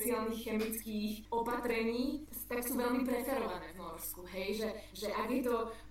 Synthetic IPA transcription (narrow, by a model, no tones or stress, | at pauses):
t͡siaːlniːxxɛmit͡skiːxɔpat̪ɾɛɲiːt̪aksuːʋɛlmipɾɛsaɾɔʋanɛːvnɔɾskuɦɛjʒɛʒɛʔaɡjɛt̪ɔ